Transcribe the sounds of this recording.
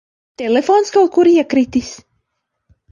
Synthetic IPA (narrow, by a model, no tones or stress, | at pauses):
t̪elefonskawt̪̚kuɾiɛkɾit̪is